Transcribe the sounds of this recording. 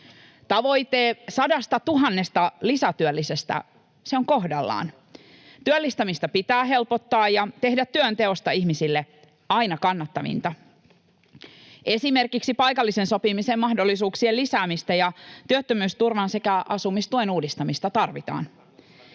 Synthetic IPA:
t̪ɑʋo̞jt̪eːsɑdɑst̪ɑt̪uɦɑnːest̪ɑlisæt̪yølːisest̪æ̰ | seoŋko̞hdɑlːɑ̰ːn | t̪yølːist̪ɑmist̪ɑpit̪æːɦe̞lpot̪ːɑːjɑt̪e̞hdæt̪ːyønt̪e̞o̞st̪ɑihmisilːe | ɑinɑkɑnːɑt̪ːɑʋḭnt̪ɑ | e̞sime̞rkiksipɑjkɑlːisenso̞pimisemmɑhdo̞lːisuːksielisæːmist̪æjɑt̪yøt̪ːømyːst̪urʋɑnse̞kæʔɑsumist̪uenuːdist̪ɑmist̪ɑt̪ɑrʋit̪ɑ̰ːn

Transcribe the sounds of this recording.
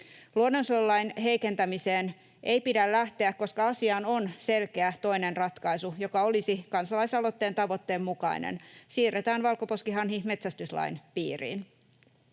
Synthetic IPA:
luonːo̞nsolːɑjnɦe̞jke̞nt̪æmise̞ːn | ʔe̞jpidællæht̪e̞ækko̞skɑɑsiɑːno̞nse̞lkeæt̪o̞inenrɑt̪kɑjsujo̞kɑo̞lisikɑnsɑlɑjsɑlo̞t̪ːe̞ːnt̪ɑʋo̞t̪ːeːmːukɑ̰inḛnsiːrːet̪æːnʋɑlkopo̞skiɦɑnɦime̞t̪sæst̪yslɑ̰inpiːrḭːn

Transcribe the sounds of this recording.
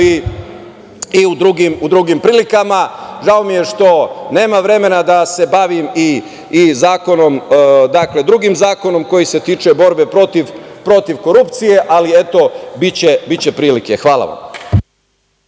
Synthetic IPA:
i | iud̪ɾuɡimud̪ɾuɡimpɾiːlikamaʒao̞mijeʃt̪o̞ne̞ːmaʋɾe̞me̞nad̪ase̞baʋimiː | zaːko̞no̞md̪akle̞d̪ɾuɡimzaːko̞no̞mko̞jise̞t̪iːt͡ʃe̞bo̞ɾbe̞pɾo̞t̪iʋpɾo̞t̪iʋko̞ɾupt̪sije̞ʔalie̞t̪o̞bit͡ɕebit͡ɕe̞pɾiːlike̞xʋaːla̰ʋa̰m

